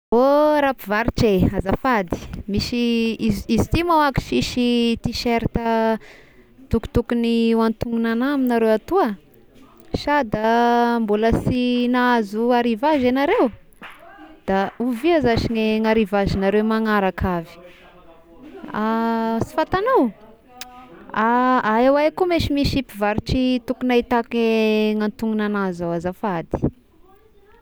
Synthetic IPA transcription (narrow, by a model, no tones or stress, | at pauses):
oɾapivaɾiʈ͡ʂeazafad̪i̥miʃiizizit̪imawaki̥ʃiʃit̪iʃeɾit̪ə | t̪uku̥t̪ukuniwant̪uŋunanaminaɾewat̪uə | ʃad̪ambuləsinaazuaɾivaʒenaɾew | d̪̥auviazaʃiŋeŋaɾivazinaɾewmaŋaɾakʰavi̥ | asi̥fat̪anaw | aaewajkumeʃimiʃipivaɾiʈ͡ʂit̪ukunait̪akeŋant̪uŋunanazawazafad̪i̥